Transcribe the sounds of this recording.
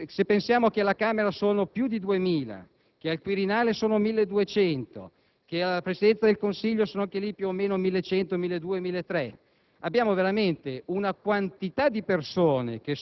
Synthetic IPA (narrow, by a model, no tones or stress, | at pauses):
sepːensjaːmokelakaːmeɾasoːnopjud̪id̪uemiːla̰ | kealkwiɾinaːlesoːnomilːed̪uet͡ʃɛnt̪o̰ | kealːapɾesid̪ɛnt̪sad̪elkonsiʎːosoːnoaŋkelipjuomeːnomilːet͡ʃɛnt̪omilːed̪uːemilːet̪ːɾɛ | abːjaːmoveɾament̪eunakwant̪it̪ad̪ipersoːnḛk̟e